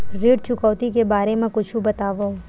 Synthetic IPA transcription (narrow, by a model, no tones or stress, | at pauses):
ɾiːɖt͡ʃʊkɔːt̪ikebaːɾemẽkʊt͡ʃʰũbɐt̪aːʋaũ